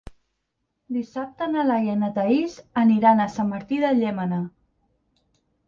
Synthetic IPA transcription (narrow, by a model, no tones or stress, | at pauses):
d̪isap̚t̪ənəlajənət̪əizəniɾanəsamːəɾt̪iðəʎɛmənə